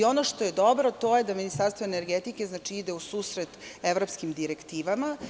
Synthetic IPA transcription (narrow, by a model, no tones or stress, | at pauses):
o̞no̞ʃt̪o̞je̞d̪o̞bɾot̪o̞jed̪aminist̪aɾst̪voene̞ɾɡet̪ike̞znat͡ʃiid̪eusuːsɾet̪evɾo̞pskimd̪iɾekt̪iːʋama